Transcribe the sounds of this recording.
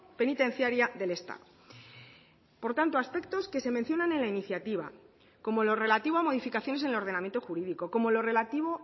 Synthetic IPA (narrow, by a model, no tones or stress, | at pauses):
pe̞nit̪ẽ̞n̟θjaɾjaðe̞le̞st̪a̰ðo | po̞ɾt̪ant̪oaspe̞kt̪o̞ske̞se̞men̟θjo̞nanẽ̞nlainiθjat̪iβ̞a̰ | ko̞mo̞lo̞re̞lat̪iβo̞amo̞ð̞ifikaθjo̞nese̞nelo̞ɾð̞e̞namje̞nt̪oxuɾiðiko̞ko̞mo̞lo̞re̞lat̪iβ̞o̞